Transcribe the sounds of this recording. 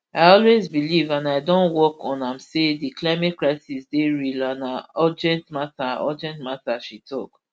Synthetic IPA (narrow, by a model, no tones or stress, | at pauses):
aɪɔlwezbilivãnaɪdɔ̃nwɔkɔ̃nãmsediklaɪmɛt̚kɹaɪsisdeɹilãnaɔd͡ʒɛ̃ntmataɔd͡ʒɛ̃ntmataʃitʰɔk